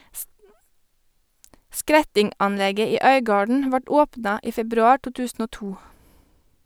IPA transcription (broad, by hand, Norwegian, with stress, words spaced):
ˈskɾɛtɪŋˌʔɑnˌlɛɡə ˈiː ˈœʏɡɑːɖɳ̩ ˈʋɑʈ ˈoːpnɑ ˈʔiː ˈfɛbɾʉɑː ˈʈuː ˈtʉːsn̩ ˈoː ˈtuː